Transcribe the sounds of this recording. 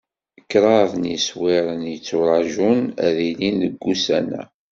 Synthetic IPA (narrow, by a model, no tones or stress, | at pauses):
kːɾˤɑðˤənjiswɪɾˤənjət͡sːuɾˤɑʒunæ̰ðilinəɡːusænæ̰